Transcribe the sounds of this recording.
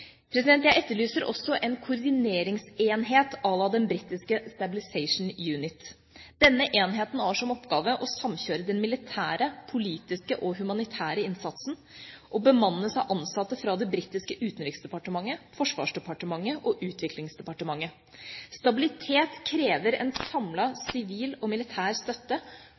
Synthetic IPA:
pʰɾɛs̬ɪd̪ɛnt̪jæɪʔɛt̪ːəɭyːsəɾʔɔ̰sːɔʔɛnkʰʊɾd̪ɪneːɾɪŋseːnɦeːt̪ɑlːɑd̪ɛnbɾit̪ːɪskəst̪ɑbɪlɪsɛɪʂn̩jʉːnɪt̪ | d̪̥ɛnːəʔeːnɦeːt̪næːʂɔmɔpɡɑːʋəʔɔsɑmɕøːɾəd̪ɛnmɪlɪt̪ʰæːɾəpʰʊliːt̪ɪskəʔɔɦʉmɑnɪt̪ʰæːɾəɪnsɑt̪sn̩ | ʔɔbəmɑnːəsɑʔɑnsɑt̪ːəfɾɑd̪ɛbɾit̪ːɪskəʔʉːt̪nɾɪksd̪ɛpɑʈəmɑŋːəfɔʂʋɑ̰ːʂɖ̪ɛpɑʈəmɑŋːəʔɔʔʉːt̪ʰʋɪkʰlɪŋsd̪ɛpɑʈəmɑŋːə | st̪ɑbɪlɪt̪ʰeːt̪kʰɾeːʋəɾɛ̰nsɑmlɑsɪʋiːlɔmɪlɪt̪ʰæːɾst̪œt̪ːə

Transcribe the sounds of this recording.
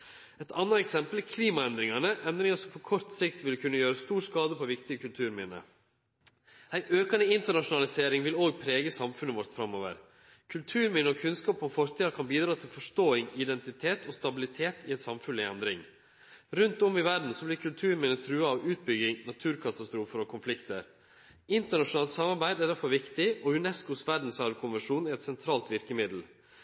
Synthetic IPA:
ɛt̪ɑnːəɛksɛmpəlkʰliːmɑɛnd̪ɾɪŋɑnəʔɛnd̪ɾɪŋɑʂɔmpʰɔkʰɔɾt̪sɪkt̪ʋɪlkʰʉnːəjøːɾəst̪uːɾskɑːd̪əpʰɔʋɪkt̪ɪəkʰʉlt̪ʰʉːɾmɪnə̰ | æɪʔøːkənəɪnt̪əɳɑʂʊnɑlɪseːɾɪŋʋɪloːɡ̚pʰɾeːɡəsɑmfʉnəʋɔɾt̪fɾɑmːoːʋə̰ɾ | kʰʉlt̪ʰʉːɾmɪnəɔkʰʉnskɑːpɔmfɔɾt̪ʰiːɑkʰɑnbiːd̪ɾɑːt̪ʰɪlfɔʂtoːɪŋɪd̪ɛnt̪ɪt̪ʰeːt̪ʰɔst̪ɑbɪlɪt̪ʰeːt̪ʰɪɛɪnsɑmfʉnlɪɛnd̪ɾɪ̰ŋ | ɾʉnt̪ɔmɪʋæɖn̩sɔblɪɾkʰʉlt̪ʰʉːɾmɪnət̪ʰɾʉːɑɑʋʉːt̪̚bʏɡɪŋnɑt̪ʰʉːɾkʰɑt̪ɑst̪ɾuːfəɾɔkʰʊnflɪkt̪ə̰ɾ | ɪnt̪əɳɑʂʊnɑːlt̪sɑmɑɾbæɪd̪æɖæɾfɔɾʋɪkt̪ɪɔʉnɛskʊsʋæɖn̩sœɾkʰʊnʋɛʂuːnɛɾɛt̪sɛnt̪ʰɾɑːlt̪ʋɪɾkəmɪd̪l̩

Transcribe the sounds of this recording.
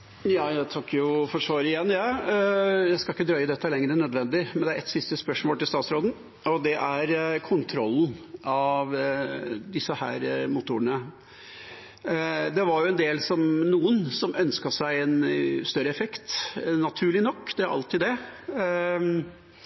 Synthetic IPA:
jɑːjæt̪ʰɑkːjʊfɔʂoːɾɪjɛnːjɑː | jæɪskɑɪkːəd̪ɾœʏəd̪ɛt̪ːəlɛŋːɾənœd̪ʋɛnd̪ɪmɛnd̪ɛæɾɛt̪sɪst̪əspœʂmoːlt̪ɪlst̪ɑːt̪sɾoːd̪n̩ | ɔd̪ɛʔæɾkʰʊnt̪ʰɾɔlːn̩ɑʋ | d̪ɪsəhæ̰ːɾmʊt̪ʊɾənə | d̪ɛʋɑɾjʊɛnd̪eːlsɔmnuːənsɔmʔœnskɑsæɪɛnst̪œɾːəɛfɛkt̪nːɑt̪ʰʉːɭɪnɔkːd̪ɛɾʔɑ̰lt̪ɪd̪ɛ

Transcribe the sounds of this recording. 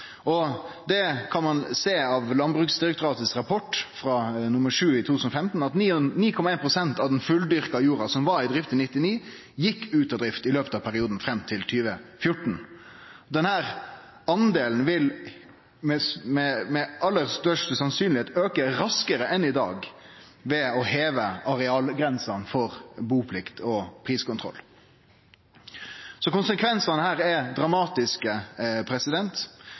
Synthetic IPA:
ʔɔd̪ɛkʰɑnmɑnseːɑʋlɑnbʁʉksd̪ɪɾɛkt̪ʊɾɑːt̪əsɾɑpʰɔʈːfɾɑnʊməʂʉːɪt̪ʰut̪ʉːsnɔfɛmt̪n̩ɑt̪ːniːkʰɔmɑeːnpʰʁʊsɛnt̪ɑʋd̪ɛnfʉld̪ʏʁkɑjuːɾɑsɔmʋɑɾɪd̪ɾɪft̪ənɪt̪ːɪniː | jɪkːʉːt̪ɑd̪ɾɪft̪ɪløːpət̪ɑʋpʰæɾɪuːd̪n̩fɾɛmːt̪ʰɪlt̪ʰyːʋəfjʊʈːɳ̩ | d̪ɛnhæːɾ | ɑnd̪eːln̩ʋɪl | mɛmɛmɛʔɑlːəɾst̪œʂʈəsɑnsyːnlɪeːt̪øːkəɾɑskəɾəʔɛnɪd̪ɑ̰ːɡ | ʋɛɔheːʋəɑɾɛɑːlɡɾɛnsɑnfɔʁbuːpʰlɪkt̪ʰɔpʰɾiːskʊnt̪ʰʁɔ̰lː | sɔkʊnsəkʰʋɛnsɑnəhæːɾɛd̪ɾɑmɑːt̪ɪskəpʰɾɛsɪd̪ɛnt̪

